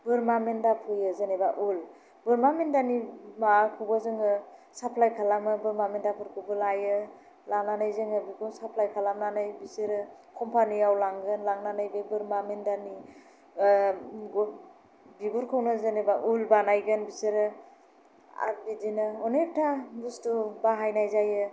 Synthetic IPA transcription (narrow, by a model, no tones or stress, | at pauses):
bɯɾmamendapʰɯjɯzenebaʔul | bɯɾmamendanimakʰɯwbazɯŋɯ | sapʰlajkʰalamɯbɯɾmamendapʰɯɾkʰɯbɯlajɯ | laŋnanajzɯŋɯbiɡunsapʰlajkʰalamnanajbisɯɾɯkʰɔmpʰaniawlaŋɡɯnlaŋnanajbebɯɾmamendani | ɡɔ | biɡuɾkʰɯwnɯzɯnebaʔulbanajɡɯnbiseɾɯ | a̰ɾbidinɯɔneptʰabustubaɦajnajzajɯ